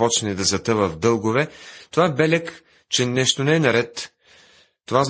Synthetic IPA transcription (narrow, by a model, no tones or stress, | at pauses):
pɔt͡ʃnɛd̪ɐzɐt̪ɤvəvd̪ɤlˠɡovɛt̪ovaɛbɛlʲɛk | t͡ʃɛnɛʃt̪onɛɛnɐɾɛt̪ | t̪ovaz